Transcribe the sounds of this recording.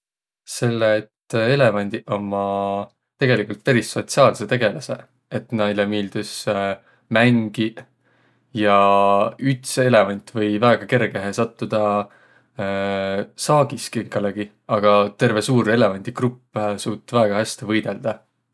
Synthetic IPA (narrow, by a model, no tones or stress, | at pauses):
se̞lːeːt̪ːe̞le̞vɑnʲd̪̥iʔo̞mːɑ | t̪e̞ɡe̞likult̪̚pæɾisːo̞t̪siɑːlse̞t̪e̞ɡ̥e̞lɑse̞̰ | et̪nɑjlemiːld̪̥us | mæŋɡ̥i | jɑ | yt̪se̞le̞vɑnʲt̪ːˑvɤ̞jvæeɡ̥ɑke̞rɡ̥e̞ɦesɑt̪ːud̪̥ɑ | sɑːɡ̥iskeŋkɑleɡ̥i | ɑɡ̥ɑt̪e̞rve̞suːɾe̞le̞vɑnʲd̪̥iɡrupːsuːt̪ːˑvæːɡ̥ɑhæsʲt̪ivɤjd̪̥e̞ld̪̥ɑ